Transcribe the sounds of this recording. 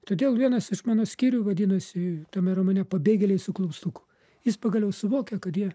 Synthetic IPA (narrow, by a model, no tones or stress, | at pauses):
t̪oːd̪ʲeːlˠʋʲiɛnɐsɪʃmɑːnoːsʲkʲiːɾʲuʋɐd̪ʲiːnɐsʲɪt̪ɐmʲɛɾɐmoːnʲɛpɐbʲeːɡʲɛlʲɛɪsʊklˠʊʊpst̪ʊkʊ̥ | jɪspɐɡɐlʲjɛʊsʊʋoːkʲɛkɐt̪jiɛ